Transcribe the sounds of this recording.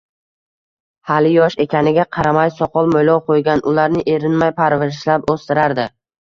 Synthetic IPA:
halɪjɒʃe̞kʲʰanɪɡʲaqʰɑɾamajsɒqʰɒlˠmojlɒwqʰojɡʲanʔʊlaɾnɪʔe̞ɾɪnmajpʰaɾvɪʃlapost̪ɪɾaɾd̪ɪ

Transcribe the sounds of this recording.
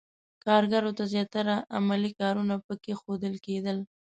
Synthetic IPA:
kɑɾɡaɾot̪azjɑt̪aɾaʔa̰malikɑɾunapəkexod̪əlked̪əl

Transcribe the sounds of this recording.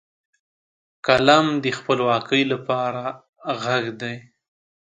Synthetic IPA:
kalamd̪əxpəlwɑkəjlapɑɾa | ɣaɡd̪aj

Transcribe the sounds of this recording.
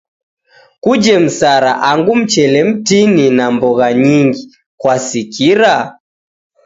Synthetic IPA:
kud͡ʒɛm̩saɾaʔaŋɡum̩t͡ʃɛlɛm̩tininambɔɣaɲiŋɡi | kwasikiɾa

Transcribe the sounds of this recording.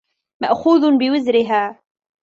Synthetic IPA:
maʔxuːðbɪwɪzɾɪɦaː

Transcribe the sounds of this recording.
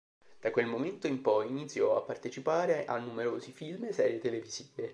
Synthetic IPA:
d̪̥akwelmoment̪oimpɔjinit̪sːjɔa̰pːart̪et͡ʃipaːɾeʔanːumeɾoːzifilmsɛːɾjet̪eleviz̥iːve

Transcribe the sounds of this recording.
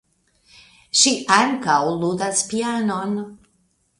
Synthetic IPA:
ʃiʔaŋkawludaspianon

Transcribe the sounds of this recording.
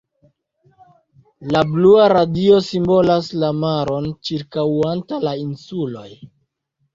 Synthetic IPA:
labluaɾadio̞simbo̞laslamaɾo̞nt͡ʃiɾkawantalainsulo̞j

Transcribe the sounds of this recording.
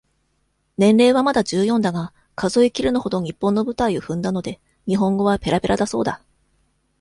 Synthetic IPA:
nẽ̞nɾe̞ːβamad̪aʑɨːjõ̞nd̪aɡa | kazo̞ikʲiɾɯ̟noho̞d̪o̞ɲ̟ipːõ̞nːo̞bɯ̟t̪aioɸɯ̟̃nd̪ano̞d̪e̞ | ɲ̟iɦõ̞ŋɡo̞β̞ape̞ɾabe̞ɾʔad̪aso̞̰ːd̪a

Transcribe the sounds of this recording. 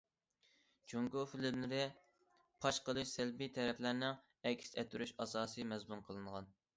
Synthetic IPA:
d͡ʒuŋɡufilɪmlɪɾɪ | pʰɑʃqəlˠɨʃsɛlbit̪ʰɛɾɛplæɾnɪŋ | ɛkʲst̪ʰɛt̪ʰyɾyʃɑsɑːsɨmɛzmunqʰəlˠɨɴʁɑn

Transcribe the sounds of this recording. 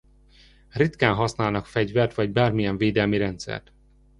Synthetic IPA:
rit̪kaːnɦɒsnaːlnɒkfɛɟvɛrt̪vɒɟbaːrmijɛɱveːd̪ɛlmiɾɛnt̪sɛ̰rt̪

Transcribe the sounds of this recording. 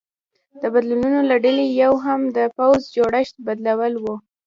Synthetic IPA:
d̪̥əbad̪lununolaɖəlejawɦamd̪əpawzd͡ʒoɽəʃt̪̚bad̪lawəlwu

